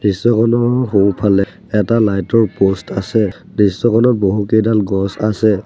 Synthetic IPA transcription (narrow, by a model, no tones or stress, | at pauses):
nisːɔkʰɔnɔɦowpʰalɛ | ɛtalajtɔɹpostʰasɛ | nisːɔkʰɔnɔt̚boɦukejdanɡɔsasɛ